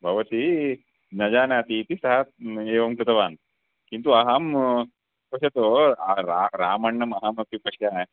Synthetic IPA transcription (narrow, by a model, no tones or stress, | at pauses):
bʱɐʋɐt̪i | nɐd͡ʒaːnaːt̪it̪isɐɦɐeːʋɐmkɾut̪ɐʋaːn | kint̪uɐɦam | pɐʃjɐt̪oɐɾaɾaːmɐɳːɐmɐɦamɐpipɐʂja